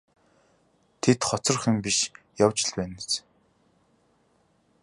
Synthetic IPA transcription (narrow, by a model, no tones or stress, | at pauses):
t̪ʰet̪χɔt͡sɞ̆rχɘ̆mpiʃ | jawt͡ɕɪ̆ɮpæːnet͡s